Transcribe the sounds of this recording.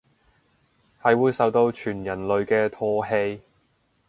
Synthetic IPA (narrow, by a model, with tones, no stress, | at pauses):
hɐ˨jwuː˨˧jsɐ˨wt̪o˧wt͡ʃʰyː˨˩njɐ˨˩nlɵ˨ɥkɛː˧t̪ʰɔː˥ɦe˧j